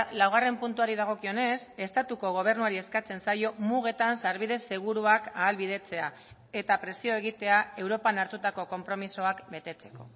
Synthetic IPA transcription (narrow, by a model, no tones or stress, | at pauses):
lawɣ̞are̞mpunt̪uaɾið̞aɣ̞o̞kio̞ne̞se̞st̪at̪uko̞ɣ̞o̞β̞e̞ɾnuaɾie̞skat͡se̞nsajo̞muɣe̞t̪ansaɾβ̞iðe̞se̞ɣ̞uɾuakaːlβiðe̞t͡se̞a | e̞t̪apɾe̞sio̞e̞ɣ̞it̪e̞ae̞wɾo̞panaɾt̪ut̪ako̞ko̞mpɾo̞miso̞akbe̞t̪e̞t͡se̞̥ko̞̰